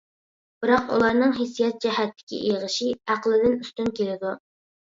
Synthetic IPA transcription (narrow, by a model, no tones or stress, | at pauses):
b̥ɨɾɑqṵlˠɑɾnɨŋɦes̬ijɛt̪̚d͡ʒɛɦɛt̪ʰːɪ̥kʲʰḭʔiʁəʃiæqlˠɪd̪ɪnyst̪ynkʲelɪd̪u